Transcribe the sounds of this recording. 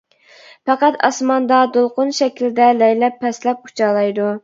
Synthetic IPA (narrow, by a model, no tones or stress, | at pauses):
pɛqæt̪ʰɑ̰smɑnd̪ɑd̪olˠqʊnʃɛkʲʰilɪd̪ɛlɛjlɛpʰːɛslɛp̚ʰu̥t͡ʃʰɑlˠɑjd̪u